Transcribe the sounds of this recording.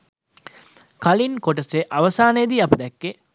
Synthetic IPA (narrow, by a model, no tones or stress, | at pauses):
kalinkoʈ̬əseʔaʋəsaːnəjd̪iːɐpəd̪ɛkːe